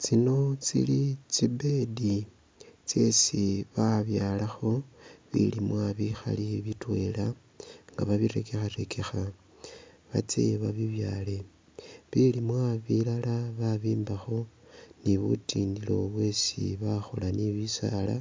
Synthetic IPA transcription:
t͡sino̞t͡sḭlit͡sibe̞di | t͡sje̞siβaβjaːlaxo̞βḭlimwaβixa̰liβitwe̞la | ŋɡa̰βaβiɾe̞ke̞xate̞kʰexa | βat͡sḛβaβiβjale̞ | βilimwaβilalaβaβiːmbaxo̞niβutiːndilo̞βwe̞sḭβaxo̰laniβisa̰la̰

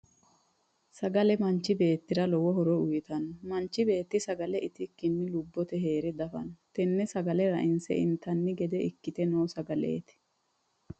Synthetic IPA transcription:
sɐɡɐlɛmɐnt͡ʃːɪbe̞ːt̪ːɪɾɐlɔwɔɦɔɾɔʊjɪt̪ɐnɔmɐnt͡ʃːɪbe̞ːt̪ːɪsɐɡɐlɛʔɪt̪ɪkːɪnːɪlʊbːɔt̪ɛɦeːɾɛd̪ɐfɐ̰nɔt̪ɛnːɛsɐɡɐlɛɾɐʔɪnsɛ̰ʔɪ̰nt̪ɐnːɪɡɛd̪ɛʔɪkːɪt̪ɛnoːsɐɡɐlḛːt̪ɪ̥

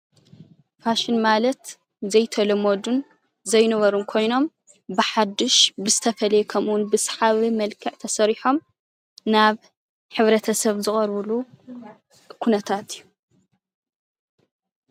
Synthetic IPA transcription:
faʃɪnmalɐt̪ | zɐjt̪ʰɐlɐmod̪un | zɐjnɐβɐɾumkʰo̞jno̞m | bɨħad̪ːɨʃbɨzɨt̪ʰɐfɐlɐjɛkʰɐmwnbɨsħaβimɐlkʰɨʕt̪ʰɐsɐɾiħo̞m | naβ | ħɨβɾɐt̪ʰɐsɐβzɨχʼɐɾβɨlu | kʰunɐt̪ʰat̪ʰijːu

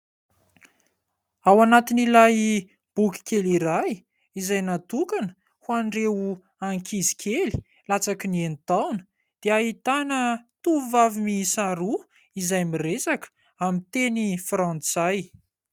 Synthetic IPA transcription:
awanat̪inilaj | b̥ukʲi̥kʲeliɾaj | izajnat̪ukanə̥ | huaɳɖ͡ʐeu | aŋkʰizi̥kʲʰeli̥ | lat͡sakinienit̪awnə̥ | d̪̥eaɦit̪anət̪uvavimisaɾu | izajmiresakə̥ | amit̪enifrãnt͡saj

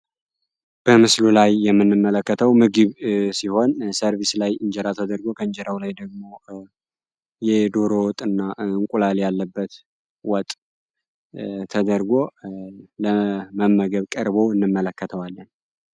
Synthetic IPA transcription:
b̥əmɨslulajːɛmːɨnːɨmːələkːət̪ʰəwmɨɡɨβsiho̞nsəɾβislajɨɲd͡ʒɛɾat̪ʰəd̪əɾɡo̞kʰəɲd͡ʒɛɾawlajd̪əɡ̚mo̞ | jɛd̪oɾowɔt̪ʼːɨnːaɨŋkʷʼulaljalːəbːət̪ | wɔt̪ʼ | t̪ʰəd̪əɾɡo̞ | ləməmːəɡəβkʼəɾbo̞ɨnːɨmːələkːət̪ʰəwalːən

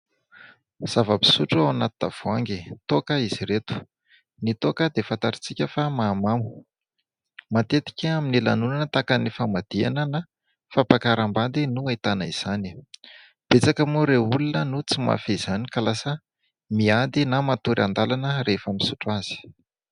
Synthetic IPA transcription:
z̥avəbi̥suʈ͡ʂuawanat̪una̰v̥oaŋɡit̪okəiz̥iɾet̪u̥ | nit̪okəd̪efant̪aɾit͡sikʲəfamaːmamu̥ | mat̪et̪i̥kʲaaminilanunanət̪akanifamad̪̥ia̰nəna | fapakaɾambad̪inuait̪anaiz̥ani | b̥et͡sakəmuɾeulunənut͡sima̰feiz̥anikalasə | miad̪inamat̪uɾa̰nd̪alanəɾefamisuʈ͡ʂaz̥i̥

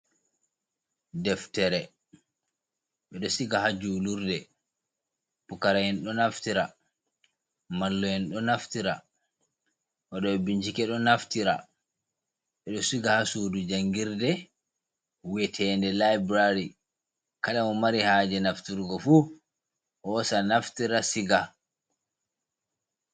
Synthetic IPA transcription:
dɛftɛɾɛ | ɓɛɗɔsiɡahad͡ʒuːluɾdɛ | pukaɾahinɗɔnaftiɾa | malːɔjɛnɗɔnaftiɾa | ʔɔɗɔɛbiɲd͡ʒikɛɗɔnaftiɾa̰ | ɓɛɗɔsiɡahasudud͡ʒaŋɡiɾdɛ | wɛtʰɛːndɛlajbɾaɾi | kaɗamɔmaɾihaːd͡ʒɛnaftiɾɡɔfu | hɔsanaftiɾasiɡa

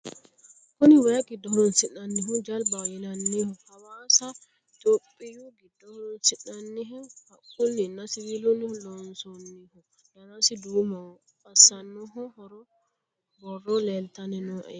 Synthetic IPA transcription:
koniwajakidɔɾɔnsinanːiɦɔd͡ʒalbawinanːihɔhawasa | toɓijuɡidɔhɾɔnsinanːiɦɔhakulːinasiwilonilɔnsɔnːihɔ | danasiduma | pasanːɔɦɔhɔɾɔ | bɔrɔlɛltanɛnɔʔɛ̰

